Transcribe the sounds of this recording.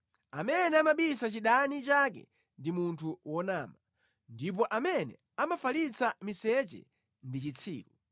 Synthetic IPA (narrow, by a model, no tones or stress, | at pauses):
amɛnɛamaɓisat͡ʃiɗanit͡ʃakɛ̰ | ndimuntʰuwɔnaːma | ndip̬ɔʔamɛnɛ̰ | amafalit͡sʰamisɛt͡ʃɛ̰ | ndit͡ʃit͡sʰiːɾu